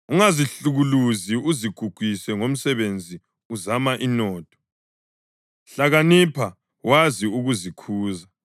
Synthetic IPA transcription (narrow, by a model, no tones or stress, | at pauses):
uŋaziɬuɣuluziuziɡ̥ʱuɡ̥ʱwisɛŋom̩sɛβend͡zʱi | uzamaʔinɔːtʰʼɔ̥ | ɬaɣanipʰa | waziuɣuzikʰuːza